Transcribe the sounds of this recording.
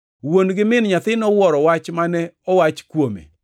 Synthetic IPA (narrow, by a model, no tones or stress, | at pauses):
wonɡɪmɪnɲat̪ɪnɔwɔɾɔwat͡ʃmanɛɔwat͡ʃkwomḛ